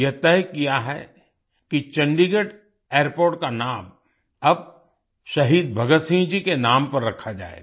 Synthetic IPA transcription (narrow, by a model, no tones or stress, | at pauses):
jɐt̪ɛɦkijaɦɛ̰ | kit͡ʃɐ̃ɳɖiɡəʈ | eːɾpoːɾʈkanaːm | ɐb̚ | ʃɐɦiːd̪̚bʱɐɡət̪sĩːnd͡ʒikenaːmpɐɾɾɐkʰad͡ʒa̰ːḛ